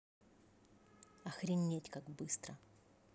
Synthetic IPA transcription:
ɐxɾʲɪnʲːetʲkaɡbɨst̪ɾə

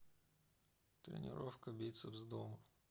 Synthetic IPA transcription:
t̪ɾʲɪ̰nʲɪ̰ɾofkəbʲet̪səvzd̪omə

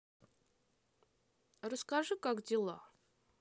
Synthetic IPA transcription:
rəskaʐɨkakdʲɪlˠa̰

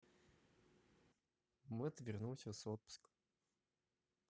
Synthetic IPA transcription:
mɨɐt̪vʲɪrnumsʲəsot̪̚pʊ̥sk

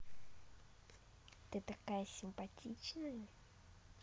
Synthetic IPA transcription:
t̪ɨt̪akajəsʲɪmpɐtʲit͡ɕnəjə

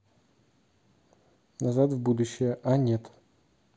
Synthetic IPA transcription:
nɐzat̪vbud̪ʊɕːɪjəʔanʲet̪

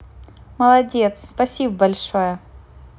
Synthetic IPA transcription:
məlˠɐdʲet̪sspɐsʲibəbɐlʲʂojə

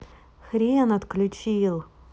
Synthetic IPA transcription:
xɾʲiənɐt̪klʲʊt͡ɕilˠ

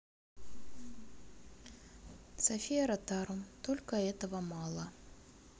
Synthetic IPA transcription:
sɐfʲijɐɾɐt̪aɾumt̪olʲkɐɛt̪əvɐmalˠɐ

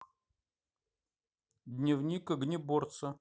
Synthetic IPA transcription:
d̪ʲnʲɪvnʲikəɡnʲɪbort̪sə

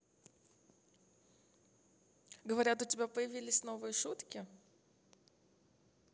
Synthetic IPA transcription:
ɡəvɐɾʲat̪ʊtʲɪbʲapəjɪvʲilʲɪsʲno̞vɨjəʂut̪kʲɪ

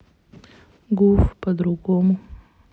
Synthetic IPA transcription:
ɡufpɐd̪ɾʊɡomʊ

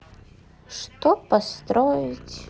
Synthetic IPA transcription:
ʂt̪opast̪ɾojɪtʲ

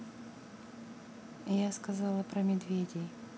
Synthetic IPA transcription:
jaskɐzɑlˠəpɾəmʲɪd̪vʲedʲɪj

